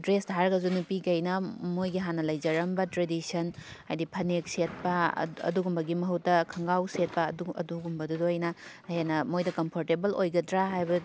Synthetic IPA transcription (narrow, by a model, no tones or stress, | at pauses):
dɾesdʱaɾɡɐzunupikɐjnɐmojɡiɦanːɐlɐjd͡ʒɐɾɐmbɐtɾedisɐnajdipʰɐnek̚set̚pɐ̰ɐ̰duɡumbɐɡimɐɦuwtːɐkʰɐŋɡawset̚pɐɐ̰duɡumbɐdudojnɐ | henːɐmojdɐkɐmpʰoɾtebɐlojɡɐtɾaɦajbɐ